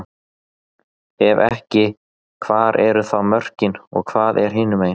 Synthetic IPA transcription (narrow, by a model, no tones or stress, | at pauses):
ɛvɛhcɪ | kʰvaːɾɛɾʏθawmœr̥cɪnɔ̰ɣkʰvaːðɛɾ̥ɦɪːnʏmeːjn